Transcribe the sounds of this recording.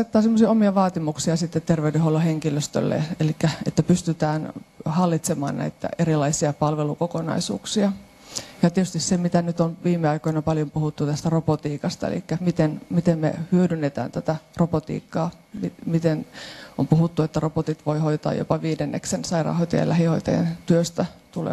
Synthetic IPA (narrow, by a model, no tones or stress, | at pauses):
et̪ːɑːsemːosiɑomiɑʋɑːt̪imuksiɑsit̪ːet̪t̪erʋeydeholːɑheŋkiløst̪ø̰lːḛelikːæet̪ːæpyst̪yt̪æːnhɑlːit̪semɑ̰ːnnæ̰it̪ːæ̰erilɑisiɑpɑlʋelukokonɑ̰isṵːksiɑ | jɑt̪iet̪yst̪issemit̪ænyt̪onʋiːmːˑeɑikoinɑpɑljompuhut̪ːut̪æst̪ærobot̪iːkɑst̪ɑḛlḭkːæmit̪enmit̪emmḛhyødynːet̪æ̰ːnt̪æt̪ærobot̪ḭːkːɑː | mimit̪enompuɦut̪ːuet̪ːærobot̪it̪ʋoihoit̪ɑ̰ːjo̰pɑʋiːdenːḛksensɑirɑ̰ːhojt̪ɑ̰jɑ̰læhihoit̪ɑ̰jḛnt̪yøst̪æt̪ulḛ